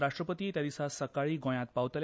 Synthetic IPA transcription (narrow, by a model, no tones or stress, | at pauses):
ɾaʂʈɾəpət̪iːt̪jad̪isasəkaɭiːɡõj̃ãt̪̚pawt̪l